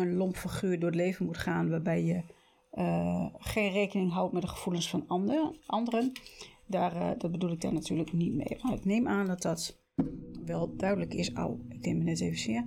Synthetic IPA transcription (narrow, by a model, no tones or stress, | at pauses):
ənlompfəχyːɹdʊːtleːvənmutχaːnʋaːbɛjjə | χenreːkənɪŋɦawtmɛtdəχə̥v̥ulənsfɔnʔɑndərəndardɔt̚bədulɪɡ̚da̰rnatyːləknitmḛjmaɪkneːmʔaːndɔt̚dɔt | ʋɛlˠdœɥdələkɪsɔ̰lˠɪk̚dɪŋmənɛtejvəsɪːə